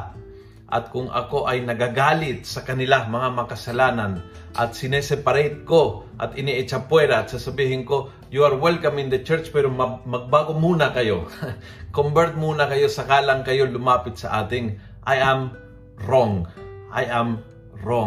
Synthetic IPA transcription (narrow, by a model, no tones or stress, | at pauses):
ʔɐ̰t̪̚kʊŋʔɐ̰ko̞ʔɐjnɐɡaɡaːlɪt̪̚sɐkɐnɪlamɐŋamɐkɐsɐlaːnɐn | ʔɐ̰t̪̚sɪnɛsɛpɐɾɛt̪̚ko̞ʔɐt̪ɪniʔɛt͡ʃɐpwɛɾɐɐt̪̚sɐsɐbiːhɪŋko̞ | juɐɾwɛlkɐmɪnd̪ɐt͡ʃɛɹt͡ʃpɛːɾommɐɡ̚baːɡomuːnɐkɐjo̞ | kombɛɾt̪̚muːnɐkɐjo̞sɐkaːlɐŋkɐjo̞lʊmaːpɪt̪sɐ̰ʔaːt̪ɪŋ | ʔɐjʔam | ɾoŋʔajʔam | ɾo